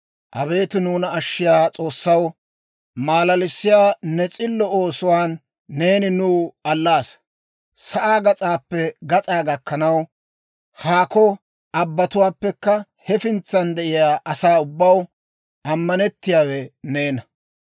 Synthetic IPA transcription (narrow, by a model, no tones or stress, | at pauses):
ʔɐβe̞ːt̪ɪnuːnɐɐʃːɪjaːt͡sʼo̞ːsːɐw | maːlɐlɪsːɪjaːnɛt͡sʼɪlːɔo̞ːsʊwaːnː | e̞ːnɪnuːɐlːaːs | sɐʔaːɡɐt͡sʼaːpːɛɡɐt͡sʼaːɡɐkːɐnɐw | haːkɔ | ʔɐbːɐt̪ʊwaːpːɛkːɐ | hɛfɪnt͡sːɐnd̪ɛʔɪjaːʔɐsaːʊbːɐw | ʔɐmːɐnɛt̪ːɪjaːwɛneːnɐ